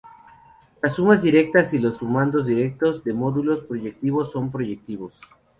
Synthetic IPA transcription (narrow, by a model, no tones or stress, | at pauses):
lasːumazðiɾe̞k̚t̪asilo̞sumãnd̪o̞zðiɾe̞k̚t̪o̞zðe̞mo̞ðulo̞spɾo̞ʝe̞k̚t̪iβo̞sːo̞mpɾo̞ʝek̚t̪iβo̞s